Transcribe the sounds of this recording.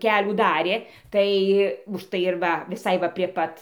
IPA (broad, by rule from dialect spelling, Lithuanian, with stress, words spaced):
ˈkʲæːlʲuː ˈdɑːrʲeː ˈtɐɪ ʊʃˈtɐɪ ɪr ˈʋɐ ʋʲɪˈsɐɪ ʋɐ pʲrʲiɛ ˈpɐt